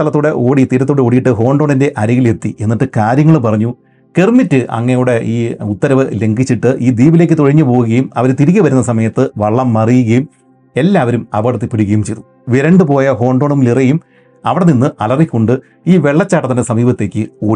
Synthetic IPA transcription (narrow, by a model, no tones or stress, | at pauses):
ɐlɐt̪ːoːɽe̞ʔo̞ːɽit̪ːiːɾɐt̪ːoːɽeo̞ːɽijiʈːɨɦo̞ːɳɖo̞ːɳinde̞ʔɐɾiɣile̞t̪ːiʔenːiʈːɨkaːɾjɐŋːɐɭpɐrɐɲːu | kermitːɨʔɐ̰ŋːɐnejuːɽe̞iːut̪ːɐɾɐʋɨle̞ŋɡit͡ɕːiʈːɨʔiːd̪iːbile̞ːkːɨt̪o̞ɻiɲːɨpoːɣuɣɐjumɐ̰ʋɐɾt̪iɾik̬ʲːɐʋɐɾunːɐsɐmɐjɐt̪ːɨʋɐɭːɐmːɐrijuɣɐjum | e̞lːaːʋɐɾumɐ̰ʋɐɽut̪ːipːeɽuɣɐjumt͡ɕejt̪u | ʋiɾɐɳɖɨpo̞ːjɐɦo̞ːɳɖoːɳumlirɐjum | ɐʋiɽeninːɨʔɐlɐrikʲːoɳɖɨ | iːʋe̞ɭːɐt͡ɕːaːʈːɐt̪ɐnːesɐmiːbɐt̪ːe̞ːkʲːɨoː